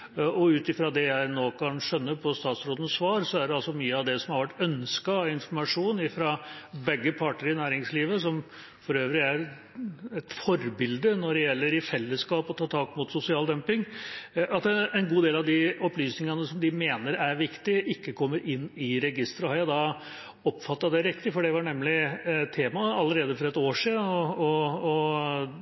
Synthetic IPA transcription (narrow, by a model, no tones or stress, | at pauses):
ɔʉːt̪ɪfɾɑd̪ɛjæɪnoːkʰɑnʂœnːəpʰɔst̪ɑːt̪sɾoːd̪ənsʋɑːɾsɔæɖɛɑlsɔmyːəɑʋd̪ɛsɔmhɑɾʋæʈːœnskɑɪnfɔɾmɑʂuːnɪfɾɑbɛɡːəpʰɑʈəɾɪnæːɾɪŋsliːʋəsɔm | fɔɾøːʋɾɪæɾ | ɛt̪fɔɾbɪld̪ənɔɖɛjɛlːəɾɪfɛlːəskɑːpɔt̪ʰɑːt̪ʰɑːkmʊt̪sʊsɪɑːld̪œmpɪŋɑt̪ɛɛnɡuːd̪eːlɑʋd̪ɪɔplyːsnɪŋɑnəsɔmd̪ɪmeːnəɾæɾʋɪkt̪ɪʔɪkːəkʰɔmːəɾʔɪnːɪɾɛɡɪst̪ɾɑhɑɾjæd̪ɑ | ɔpːfɑt̪ːɑd̪ɛɾɪkt̪ɪfɔɖɛʋɑɳɛmːlɪt̪ʰeːmɑɑlːəɾeːd̪əfɔɾɛt̪oːʂiːd̪n̩ɔː